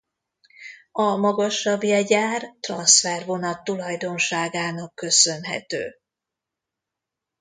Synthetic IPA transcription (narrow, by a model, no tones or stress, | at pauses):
ɒmɒɡɒʃːɒbjɛɟaːrt̪rɒnsfɛrvo̞nɒt̪ːulɒjd̪o̞nʃaːɡaːnɒkːø̞sø̞nɦɛ̰t̪ø̰ː